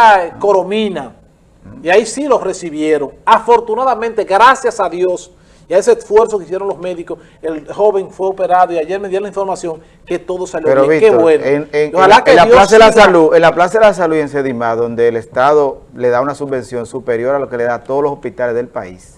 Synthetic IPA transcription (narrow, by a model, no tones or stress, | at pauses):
koɾomĩna | iaisilo̞sre̞siβjeɾo̞ŋafo̞ɾt̪unaðamẽnt̪e̞ɣɾasjasaðjos | iaesesfwe̞ɾsokeisjeɾoŋlo̞sme̞ðikos | elxo̞βe̞ŋfwe̞ope̞ɾaðoiaʝe̞ɾmeðjaɾõlaiɱfo̞ɾmasjo̞ŋ | ke̞t̪o̞ðosaljoeɾoβikeβwenoeeŋohalakelajolaseasaluenlaplasaðelas̬aluienseðimaðo̞nd̪e̞ːlest̪aðo̞le̞ðaunasuβbẽ̞nsjo̞ŋsupeɾjo̞ɾalo̞keleðat̪oðolosospit̪alezðe̞lpais